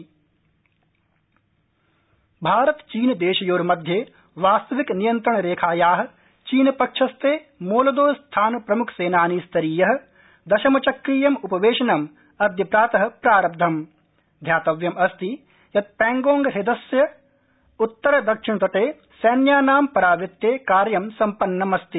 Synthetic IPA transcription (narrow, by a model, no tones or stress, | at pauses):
bʱaːɾɐt̪t͡ʃiːnd̪eːʃɐjoːɾmɐd̪ʱje | ʋaːst̪ɐʋiknijɐnt̪ɾɐɳ̃ɾeːkʰaːjaːɦɐ̆ | t͡ʃiːnɐpɐkʂɐst̪ʰeː | moːlɐd̪oːst̪ʰaːnpɾɐmukʰseːnaːnist̪ɐɾiːjɐɦɐ̆ | d̪ɐʃɐmɐt͡ʃɐkɾiːjɐmupɐʋeːʃɐnɐm | ɐd̪ʱjɐpɾaːt̪ɐɦɐ̆pɾaːɾɐp̚d̪ʱɐm | d̪ʱjaːt̪ɐʋjɐmɐst̪i | jɐt̪̚pɛ̃ːŋɡoːŋɡɦɪd̪ɐsjɐ | ut̪ːɐɾɐd̪ɐkʂɪɳt̪ɐʈeː | sɐːnjaːnaːmpɐɾaːʋɪt̪ːjeːkaːɾjɐmsɐmpɐnːɐmɐst̪i